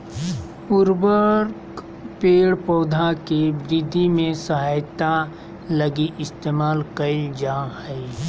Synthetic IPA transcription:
puɾbəɾk | peːɽpoːd̪ʱakeʋɪɾɪd̪ʱːimẽsɐɦaːjt̪a | ləɡiʔɪst̪eːmaːlkɐid͡ʒahɛi

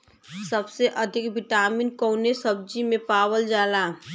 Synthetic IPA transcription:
səbseʔəd̪ʱɪkbɪʈaːmiːnkoːnesəb̚d͡ʒimẽpaːwəld͡ʒaːlaː

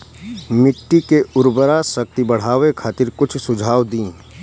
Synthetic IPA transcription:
mɪʈːikeʔʊɾbəɾasək̚t̪ibɐɽ̤aːʋekʰaːt̪ɪɾkʊt͡ʃʰsʊd͡ʒʱaːʋd̪ĩː

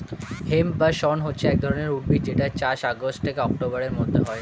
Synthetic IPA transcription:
hembaʃɔnɦotːɕʰeɛk̚d̪ʱɔɾoneɾuʈ̚bid͡ʑeʈaet͡ɕaɾʃaɡosʈtʰekeɔk̚ʈobaɾeɾmod̪ʱːeɦɔe

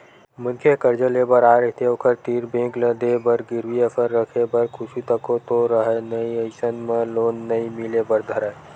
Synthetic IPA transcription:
mʊnkʰekəɾd͡ʒəlebəɾaːɾəɦt̪eokʰəɾt̪iːɾbẽːkləd̪ebəɾɡɪɾwiəpʰəɾːəkʰebəɾkʰʊʃit̪əkot̪oɾəɦenəiəɪsənmẽloːnːɐimɪlebəɾd̪ʱɐɾə

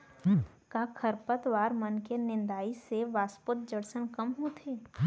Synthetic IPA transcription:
kakʰəɾpət̪ʋaːɾmənkenɪ̃nd̪aːiseʋaːspʊt̪̚d͡ʒəɽsənkəmɦut̪ʰeː

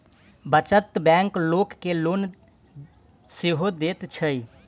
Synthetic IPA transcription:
bət͡ʃət̪bɛ̃ŋklokːelon | seɦod̪et̪t͡ʃʰəi

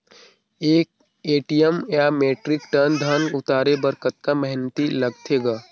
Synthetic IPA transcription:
eːk̚ | eːʈijəmjameːʈɾɪkʈənd̪ʱaːnʊt̪aːɾebɐɾkət̪̚kamɛɦnt̪ilɐɡt̪ʰeːɡaː

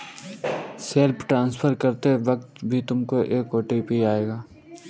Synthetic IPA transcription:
seːlpʈɾãːnspʰəɾkɐɾt̪eʋɐk̚t̪bʱit̪ʊmkoʔeːkoːʈiːpiaːeːɡaː

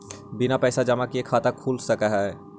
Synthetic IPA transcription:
bɪnapɛːsad͡ʒɐmakiekʰːaːt̪akʰuːlsɐkaɦɛː

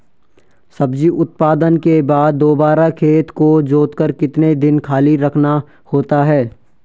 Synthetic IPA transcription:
sɐbd͡ʒiʔʊt̪̚paːd̪ənkebaːd̪̚ːoːbaːɾakʰeːt̪kod͡ʒoːt̪kəɾkɪt̪ned̪ɪnkʰaːliɾɐkʰna | hoːt̪aɦɛː

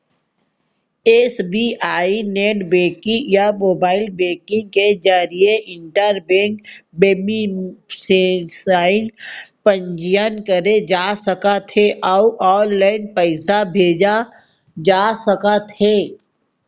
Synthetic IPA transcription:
eːsbiːʔaːineːʈbẽːkɪ̃ŋjamoːbaːɪlbẽːkɪ̃ŋɡked͡ʒaːɾieʔɪ̃ɳʈəɾbẽːŋkbeːmisesaːɪnpə̃ɲd͡ʒijənkəɾed͡ʒaːsəkat̪ʰeʔauʔɔːnlaːɪnpəɪsabʱeːd͡ʒa | d͡ʒaːsəkat̪ʰeː

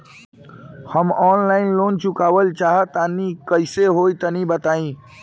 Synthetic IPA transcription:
həmɔːnlaɪnlont͡ʃukaʋəlt͡ʃaɦət̪anikəɪseɦoit̪ənibət̪aĩ

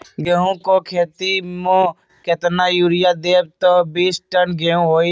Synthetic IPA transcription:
ɡeɦũkokʰeːt̪imõ | ket̪najuːɾɪjad̪eːb̚t̪obiːsʈənɡeɦũɦoːi

